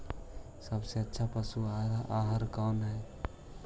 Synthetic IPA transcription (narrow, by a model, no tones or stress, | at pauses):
səbseətːʃʰapəsuaaɦəɾkawnɦɛe